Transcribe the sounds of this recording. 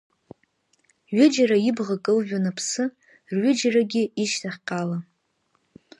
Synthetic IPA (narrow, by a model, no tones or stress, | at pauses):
ɥɪd͡ʒaɾaibʁakʼɨlʒᶣanapʰsɨ | rɥʏd͡ʒaraɡʲɪiʃtʰaχʲqʲʼala